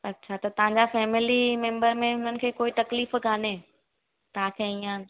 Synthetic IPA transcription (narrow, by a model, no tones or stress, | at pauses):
ɐtːɕʰat̪ɐt̪ɐɦãɲd͡ʑafɛːmɪlimẽmbəɾmẽʊn̤ənɪ̆kʰeːkoːit̪ɐkliːfɡaːne | t̪ãkʰẽĩã